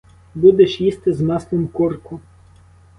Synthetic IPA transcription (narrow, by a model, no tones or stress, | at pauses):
bud̪ɛʃjist̪ɪzmɑslˠɪmkɔrkʊ